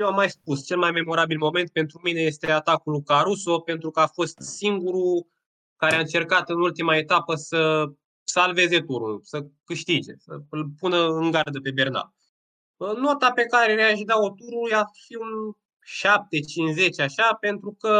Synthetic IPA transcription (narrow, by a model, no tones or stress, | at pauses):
jewamːajspust͡ʃe̞lmajme̞mo̞ɾabilmo̞me̞nt̪̚pe̞nt̪ɾumineje̞st̪e̞at̪akulkaɾuso̞pe̞nt̪ɾukəafo̞st̪siŋɡuɾu | kaɾeaɨnt͡ʃe̞rkat̪ɨnult̪imae̞t̪apəsə | salve̞ze̞t̪uɾṵlsəkɨʃt̪id͡ʒe̞̰sə̰lpunəɨŋɡard̪əpe̞be̞rna̰l | no̞t̪ape̞kaɾe̞neaʃd̪aot̪uɾujafiun | ʃap̚t̪e̞t͡ʃinze̞t͡ʃaʃape̞nt̪ɾukə